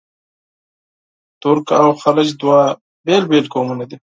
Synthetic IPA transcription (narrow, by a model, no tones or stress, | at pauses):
t̪ʊɾkawxalət͡ʃd̪wa | beːlbeːlkoːmuned̪i